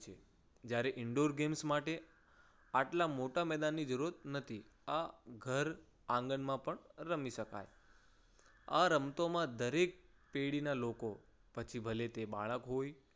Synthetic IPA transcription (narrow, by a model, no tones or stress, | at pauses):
t͡ʃʰe | d͡ʒjaɾeʔɪɳɖoɾɡemsmaʈe | aʈlamoʈamɛd̪anːid͡ʒəɾuɾət̪nət̪ʰi | aɡʱəɾ | ãŋɡənmãpəɳɾəmiʃəka̰j | aɾəmt̪omãd̪əɾek̚peɽinaloko | pət͡ʃʰibʱəlet̪ebaɭ̃əkɦoj